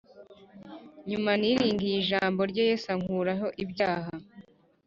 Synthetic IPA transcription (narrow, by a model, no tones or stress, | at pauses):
ɲumaniɾiːŋɡijiʒaːmbo̞ɾɟojesaŋuːɾaɦo̞ʔibjaːɦa